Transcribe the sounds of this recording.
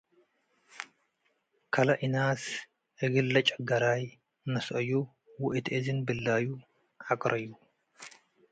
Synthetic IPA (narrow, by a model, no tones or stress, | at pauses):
kʰɐlɐʔinas | ʔɨɡɨlːɐt͡ʃʼɐɡɐɾaj | nɐsʔɐjːu | wʊʔɨt̪ʰʔezɨnbɨlːaju | ʕakʼɾɐjːu